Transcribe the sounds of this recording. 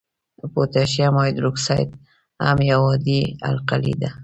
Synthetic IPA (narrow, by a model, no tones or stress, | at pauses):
pot̪aʃjamɔjd̪ɾuksajt̪̚ | ha̰mjawɔd̪ia̰lqalḭd̪a